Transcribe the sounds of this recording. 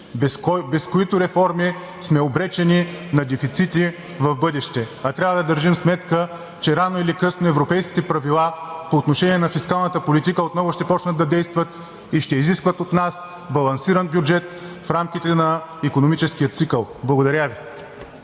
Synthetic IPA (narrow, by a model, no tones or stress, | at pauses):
kbɛskoit̪ʊɾɛfɔɾmi | smɛobɾɛt͡ʃɛninɐd̪ɛfit̪sit̪i | vɐvbɤd̪ɛʃt̪ɛɐt̪ɾʲavɐəd̪ɐd̪əɾʒimsmɛt̪kə | t͡ʃɛɾanoilikɤsnoɛvɾopɛjskʲi̥t̪ɛpɾɐvilˠapoːt̪noʃɛniɛnɐfiskalˠnɐt̪əpolit̪ikəot̪nɔɡʊʃt̪ɛpɔt͡ʃnəd̪d̪ɐd̪ɛjst̪vɐt̪ | iʃt̪ɛiziskvət̪ot̪nas | bɐlˠɐnsiɾənbjʊd͡ʒɛt̪̚fɾamkʲit̪ɛnɐikonomit͡ʃɛskijət̪sikəlˠblˠɐɡod̪ɐɾʲavi